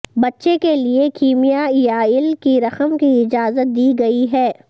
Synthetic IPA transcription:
bɐtːʃekeliekiːmijajaɪlkiɾɐxəmkiɪd͡ʒaːzət̪̚d̪iːɡɐiɦɛː

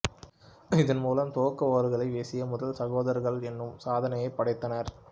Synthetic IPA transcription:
ɪðɐnmuːlɐmt̪oːkːɐʋoːɾɯɣɐɭɐɪʋeːsɪjɐmʊðɐlsɐɣoːðɐɾɣɐɭɛnːɯmsaːðɐnɐjɐɪpːɐɽɐɪt̪ːɐnɐɾ

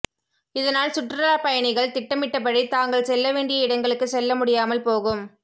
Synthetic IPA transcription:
ɪðɐnaːlsʊʈraːpɐjɐɳɪɣɐɭt̪ɪʈːɐmɪʈːɐpɐɽɐɪt̪aːŋɡɐɭsɛlːɐʋeːɳɖɪjɐɪɽɐŋɡɐɭɯkːɯsɛlːɐmʊɽɪjaːmɐlpoːɣɯm

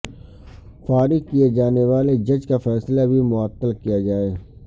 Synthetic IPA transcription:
faːɾɪkied͡ʒaːneʋaːled͡ʒɐd͡ʒkafɛːslabʱimʊət̪ːəlkijad͡ʒaːeː

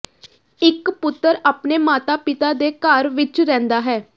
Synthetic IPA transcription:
ɪkpʊt̪ːəɾaːpneːmaːt̪aːpɪt̪aːd̪eːkaːɾʋɪt͡ʃɾɛ̃ːnd̪aːɦɛː

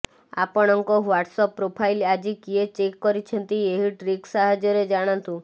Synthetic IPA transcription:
a̰pɔɽ̃ɔŋkɔwaʈsɔpːɾopʰajlad͡ʒikiet͡ʃekːɔɾit͡ʃʰɔnt̪ieɦiʈɾiksaɦad͡ʒɔɾed͡ʒaɽ̃ãnt̪ũ

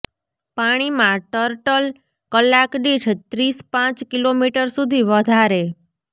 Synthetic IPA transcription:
paɽ̃imãʈəɾʈəl | kəlːakɖiʈʰt̪ɾispãt͡ʃkilomiʈəɾsud̪ʱiʋəd̪ʱaɾe

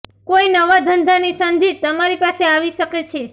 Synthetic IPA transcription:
koinəʋad̪ʱənd̪ʱanisənd̪ʱit̪əmaɾipaseaʋiʃəket͡ʃʰe

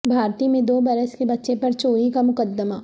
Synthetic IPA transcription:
bʱaːɾt̪imẽd̪oːbɐɾəskebɐtːʃepɐɾt͡ʃoːɾikamʊkəd̪ːəma

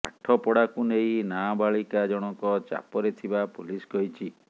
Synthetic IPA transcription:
a̰ʈʰɔpɔɽakunejnabaɭikad͡ʒɔɽ̃ɔkɔt͡ʃa̰pɔɾet̪ʰibapulisɡɔɦit͡ʃʰi

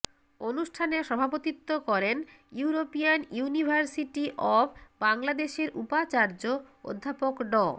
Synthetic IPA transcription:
onuʃʈʰaneʃɔbʱapot̪it̪ːokɔɾenjuɾopianjunibʱaɾsiʈiʔɔbbaŋlad̪eʃeɾʔṵpat͡ɕaɾd͡ʑoo̰d̪ʱːapokɖɔ

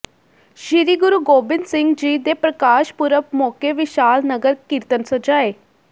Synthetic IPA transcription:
ʃɪɾiːɡʊɾuːɡoːbɪnsɪ̃ŋɡd͡ʒiːd̪eːpɾəkaːʃpʊɾəpmɔːkeːʋɪʃaːlnəɡəɾkɪɾt̪ənsəd͡ʒaːeː

